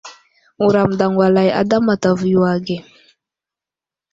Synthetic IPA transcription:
u˨ɾa˨mda˨ŋwa˨la˨ja̰˨˦da˦ma˨ta˨vju˨wa˨ɡe˨

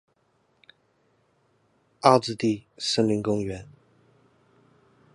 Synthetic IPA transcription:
a˥˧t͡sɹ̩˥˧t̪i˥˧ʂə˥˩ŋli˧˥ŋkʊ˥ŋɥɛ˧˥˦n

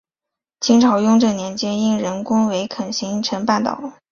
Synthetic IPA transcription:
t͡ɕʰi˥ŋʈ͡ʂʰɑ˨˩ʊjʊ˥˧ŋʈ͡ʂɤ˥˩njɛ˧˥nt͡ɕjɛ˥ni˥nɻə˧˥nkʊ˥ŋwe˧˥ɪkʰə˨˩nɕi˧˥ŋʈ͡ʂʰə˧˥npa˥˩nt̪ɑ̰˨˩˦ʊ

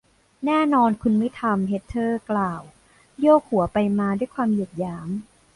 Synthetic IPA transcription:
nɛː˥˩nɔː˧nkʰu˧nma˥˩jt̪ʰa˧mɦe˦˥t̪ʰːɤː˥˩klaː˨˩w | joː˥˩k̚hu˨˩˦ɐpa˧jmaː˧du˥˩jkʰwaː˧mji˨˩k̚jaː˦˥m

